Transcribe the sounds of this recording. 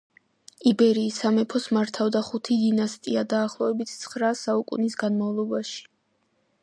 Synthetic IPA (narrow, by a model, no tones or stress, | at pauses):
ibɛɾiːsamɛpʰɔsmaɾt̪ʰavd̪aχut̪ʰid̪inast̪ʼiad̪aːχlˠɔɛbit̪ʰt̪sʰχɾasaukʼṵnisɡanmavlˠɔbaʃi̥